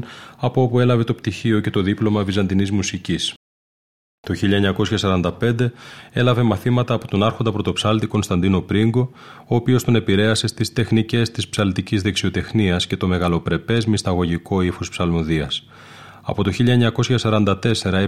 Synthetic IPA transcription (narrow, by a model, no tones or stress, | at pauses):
ɐpoo̞pue̞lɐve̞t̪o̞pt̪içio̞ce̞t̪o̞ðiplo̞mɐvizɐnd̪inizmusicis | t̪o̞çiʎɐeɲɐko̞sçɐsɐɾɐnd̪ɐpe̞nd̪e̞e̞lɐve̞mɐθimɐt̪ɐːpo̞t̪o̞nɐɾxond̪ɐpɾo̞t̪o̞psɐlt̪iko̞nst̪ɐnd̪ino̞pɾiŋɡo̞ | oːpio̞st̪one̞piɾe̞ɐse̞st̪ist̪e̞xnice̞st̪ispsɐlt̪icizðe̞ksio̞t̪e̞xniɐsce̞t̪o̞me̞ɣɐlo̞pɾe̞pe̞zmist̪ɐɣo̞ʝiko̞ifospsɐlmoðiɐs | ɐ̰po̞t̪oçiʎɐeɲɐko̞sçɐsɐɾɐnd̪ɐt̪e̞se̞ɾɐe